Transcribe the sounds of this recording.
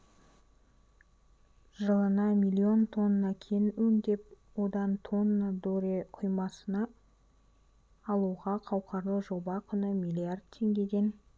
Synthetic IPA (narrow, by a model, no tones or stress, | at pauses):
ʒəlˠənɑmʲijlʲio̞nt̪ʰo̞nːɑkʲʰenɵnd̪e̞p̚ | wod̪ɑnt̪ʰo̞nːad̪oɾeqʰʊjmɑsənɑ | lˠuʁɑqʰɑwqʰɑɾlˠəqʒo̞bɑkʲʰʏnəmʲijlʲijard̪̚t̪ʰːe̞ŋɡʲe̞d̪e̞n